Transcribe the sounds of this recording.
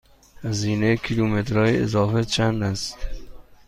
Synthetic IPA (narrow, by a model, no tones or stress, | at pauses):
hæziːnekʰilumet̪ɾɒːjeezɒːfet͡ʃʰænæst̪